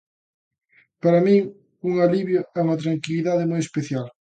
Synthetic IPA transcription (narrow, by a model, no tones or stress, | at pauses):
paɾɐmĩŋ | uŋaliβjʊɛuŋɐt̪ɾaŋkiliðaðɪmojespeθjal